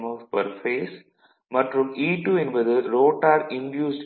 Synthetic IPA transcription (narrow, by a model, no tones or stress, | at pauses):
mɔʋpɐɾfeːs | mɐʈɾũmiːʈuːɛnʋɐðɯɾoːʈaːɾɪ̃nɖjuːsɖ